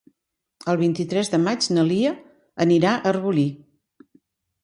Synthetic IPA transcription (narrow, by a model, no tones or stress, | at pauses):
əlˠβ̞int̪it̪ɾɛzðəmad͡ʒnəliə | əniɾaʔərβuli